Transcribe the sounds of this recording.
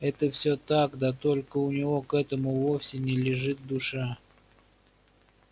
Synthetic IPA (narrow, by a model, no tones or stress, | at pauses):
ɛt̪əfsʲot̪akd̪at̪o̞lʲkəʊnʲɪvo̞kɛt̪əmʊvofsʲɪnʲɪlʲɪʐɨt̪̚d̪ʊʂa